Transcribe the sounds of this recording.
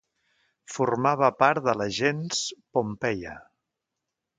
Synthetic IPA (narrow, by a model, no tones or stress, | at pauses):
furmaβəpaɾt̪ðələʒenspompɛjə̰